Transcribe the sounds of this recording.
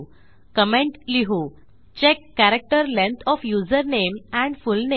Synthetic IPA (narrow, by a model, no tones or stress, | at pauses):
kəmẽɳʈliɦu | t͡ɕekːæɾek̚ʈəɾlẽnt̪ʰɔfjuːd͡zəɾnemæ̃ɳɖfulne